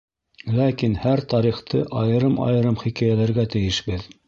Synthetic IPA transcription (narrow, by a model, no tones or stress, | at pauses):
lækinhæɾt̪ɑɾiχt̪ʰɤʔɑjɤ̆ɾɤmɑ̰jɤ̆ɾɤmχikæjælæɾɡæt̪ɘ̆jɘ̆ʃbɘð